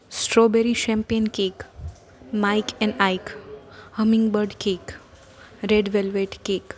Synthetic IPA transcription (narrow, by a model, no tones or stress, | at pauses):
sʈɾobeɾiʃɛ̃mpijənkeːk | maɪkʰɛ̃ɳɖaɪkhəmɪ̃ŋɡbəɾɖkeːk | ɾeɖʋelʋeʈkeːk